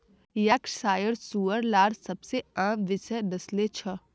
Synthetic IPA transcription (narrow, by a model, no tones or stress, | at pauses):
jaːksaːjəɾsuːəɾlaːɾsɐbseə̃ʋɪsɛd̪ɐslet͡ʃʰɐ